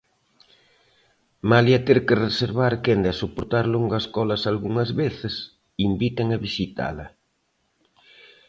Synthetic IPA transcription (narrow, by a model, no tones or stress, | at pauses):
maljɐt̪eɾkɪreseɾβaɾkend̪ɐsopoɾt̪aɾloŋɡɐskɔlɐsalɣuŋɐzβeθɪs | imbit̪eŋɐβisit̪a̰lɐ̰